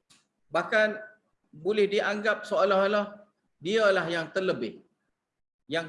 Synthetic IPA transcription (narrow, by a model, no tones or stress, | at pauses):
bahkan | bolɪhdiʔaŋɡap̚soolaɦolah | diəlahjaŋt̪ərləbɪh | jaŋ